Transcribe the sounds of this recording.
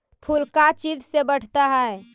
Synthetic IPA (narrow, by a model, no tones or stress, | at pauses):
pʰulkat͡ʃid͡ʒsebəʈʰt̪aɦɛe